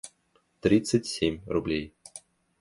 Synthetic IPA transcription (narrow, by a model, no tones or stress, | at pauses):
t̪ɾʲit̪sɨtʲsʲemʲrublʲej